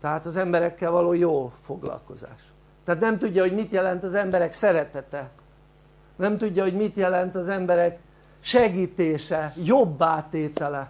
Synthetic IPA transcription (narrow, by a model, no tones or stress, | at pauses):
t̪ɛɦaːt̪ɒzɛmbɛɾɛkːɛlvɒloːjoːfoɡlɒ̰lko̞̰za̰ːʃ | t̪ːɛaɦːt̪nɛmt̪uɟːɒɦo̞ɟmit̪jɛlɛnt̪ɒzɛmbɛɾɛksɛɾɛt̪ɛt̪ɛ | nɛmt̪uɟːɒɦo̞ɟmit̪jɛlɛnt̪ɒzɛmbɛɾɛk | ʃɛɡiːt̪eːʃɛjobːaːt̪eːt̪ɛlɛ